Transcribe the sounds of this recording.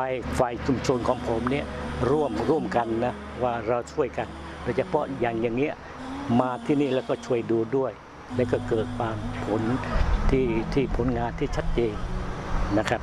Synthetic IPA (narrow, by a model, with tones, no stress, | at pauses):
a˧jfa˧jt͡ɕʰu˧mt͡ɕʰo˧nkʰɔː˩˦ŋpʰo˩˦mni˥˩əɾu˥˩əmɾu˥˩əmka˧nːa˦˥ | waː˥˩ɾa˧wt͡ɕʰu˥˩əjka˧n | ɾa˧˩wt͡ɕa˨˩pʰɔ˦˥jaː˨˩ŋjaː˨˩ŋːi˦˥əʔ | maː˧t̪ʰiː˧˩niː˥˩lɛː˦˧˩wkɔː˥˩t͡ɕʰu˥˩əjduː˧du˥˩əj | lɛː˦˥wkɔː˥˩kɤː˨˩t̪̚baː˧ŋpʰo˩˦nt̪ʰiː˥˩t̪ʰiː˥˩pʰo˩˦nŋaː˧nt̪ʰiː˥˩t͡ɕʰa˦˥t̪̚t͡ɕeː˧ŋ | na˦˥kʰɾa˦˥p̚